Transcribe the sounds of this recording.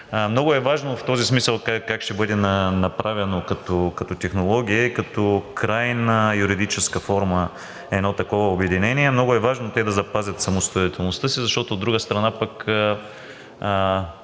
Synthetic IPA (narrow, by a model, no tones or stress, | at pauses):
mnɔɡʊɛvaʒnoft̪ɔzismisəlˠkakakʃt̪ɛbɤd̪ɛnənɐpɾavɛnokɐt̪ɔkɐt̪ɔt̪ɛxnolˠɔɡʲiəikɐt̪ɔkɾajnəjuɾid̪it͡ʃɛskəfɔɾmə | ɛd̪not̪ɐkɔvəobɛd̪inɛniɛmnɔɡʊɛvaʒnot̪ɛd̪ɐzɐpazʲɐt̪sɐmost̪oit̪ɛlˠnost̪ɤsizɐʃt̪ɔt̪oːd̪ːɾuɡəst̪ɾɐnapəkə | ə